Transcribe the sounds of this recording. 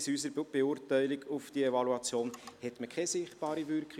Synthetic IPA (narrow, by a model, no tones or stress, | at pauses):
sysəɾbb̥eʊːrtæɪlɪɡʊfd̥iɛvɑluɑt͡sjoːnhɛt̪məkʰɛsɪχt̚b̥ɑːɾivʏrkχ